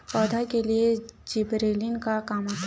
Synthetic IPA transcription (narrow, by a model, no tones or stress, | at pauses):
pɔːd̪ʱakelied͡ʒibɾeːlinkakaːmat̪